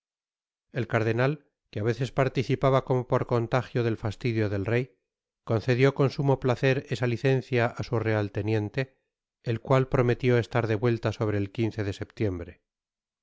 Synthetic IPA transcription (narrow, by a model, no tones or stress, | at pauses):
e̞lkaɾðe̞nal | keaβe̞θe̞spaɾt̪iθipaβako̞mopo̞ɾko̞nt̪axjo̞ðe̞lfast̪iðjo̞ðe̞lrej | ko̞nθe̞ðjo̞ko̞nsumoplaθe̞ɾe̞saliθe̞n̟θjaʔasure̞alt̪e̞nje̞nt̪e̞ː | lkwalpɾo̞me̞t̪jo̞e̞st̪aɾðe̞βwe̞lt̪aso̞β̞ɾe̞ːlkinθe̞ðe̞se̞pt̪je̞mbɾe̞